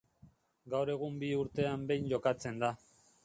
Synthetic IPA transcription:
ɡawɾe̞ɣ̞umbiuɾt̪e̞ambe̞jɲʝo̞kat͡se̞nd̪a

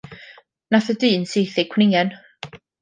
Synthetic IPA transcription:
naθədiːnsejθɪkʰwnɪɛn

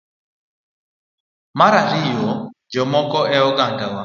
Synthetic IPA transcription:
maɾaɾijɔd͡ʒɔmɔkɔʔɛɔɡandawa

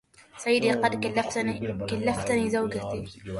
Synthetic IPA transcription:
sˤɑjːd̪iqɑd̪lːfkalːæft̪nizawɡat̪i

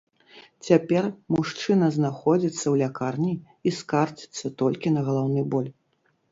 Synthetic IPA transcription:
t͡sʲapʲɛrmuʂt͡ʂɨnɐznaxɔd͡zʲit̪sːɐwlʲakarnʲi | iskart͡ʃi̥t̪sːɐt̪ɔlʲkʲinɐɣɐlˠawnɨbɔlʲ

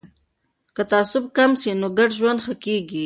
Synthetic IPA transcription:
kat̪aasʊb̚kamsinoɡaɖʒwand̪xakeɡi

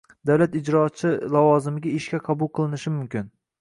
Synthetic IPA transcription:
d̪awlat̪ɪd͡ʒɾɒt͡ʃʰɪlawɒzɪmɪɡʲaɪʃkʲaqʰɑbʊlˠqʰɨlˠɪnɪʃɪmʊmkʲɪn

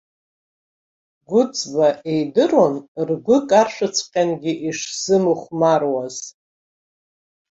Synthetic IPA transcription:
ɡʷʊt͡sʼbaʔejdɨronrɡʷʊkʼarʂʷɨt͡sʰqʲʼanɡʲiʔiʂz̥ɨmɨχʷmarwaz̥

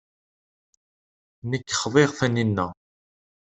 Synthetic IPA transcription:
nəkːχðˤeʁθæninːæ

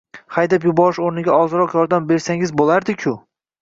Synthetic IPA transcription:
χajd̪apjʊbɒɾɪʃoɾnɪɡʲaɒzɨɾɒqjɒɾd̪ambe̞ɾsaŋɪzbolˠaɾd̪ɪkʲʰʊ

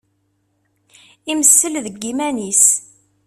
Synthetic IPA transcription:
iməsːəlðəɡːimænis

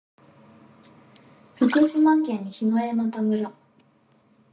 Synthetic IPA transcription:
ɸɯ̟kɯɕimãŋkẽɲ̟ːiçinoemat̪omɯ̟ɾo

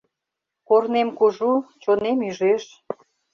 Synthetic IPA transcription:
kornemkuʒut͡ɕonemyʒeʃ

